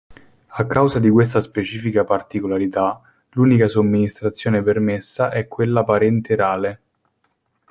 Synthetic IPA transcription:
akːawzad̪ikwes̬t̪aspet͡ʃiːfikapart̪ikolaɾit̪a | luːnikasomːinist̪ɾat̪sːjoːnepermesːaʔɛkːwelːapaɾɛnt̪eɾaːle

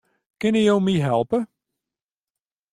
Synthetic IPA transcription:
kɪnəjowmiɦɛlˠpə

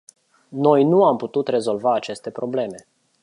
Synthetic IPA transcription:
no̞jnuamput̪ut̪re̞zo̞lvaːt͡ʃe̞st̪e̞pɾo̞ble̞me̞

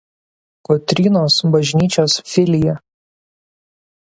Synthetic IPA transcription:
kɔt̪ʲɾʲiːnoːsbɐʒʲnʲiːt͡ʃʲoːsfʲɪlʲɪjɛ

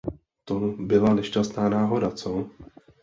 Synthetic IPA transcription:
t̪obɪlanɛʃcast̪naːnaːɦo̞dat͡so

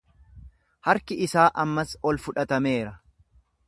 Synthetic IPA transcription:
hɐɾkɪɪsaːʔɐmːɐsɔlfʊᶑɐt̪ɐme̞ːɾɐ

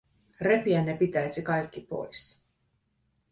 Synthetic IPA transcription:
re̞piænːepit̪æjsikɑjkːipo̞̰js

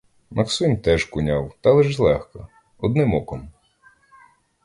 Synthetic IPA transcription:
mʔɐksunʲt̪ɛʒkʊnʲawt̪ɑlˠɛʒlˠɛxkɐ | ɔd̪nɪmɔkɔm

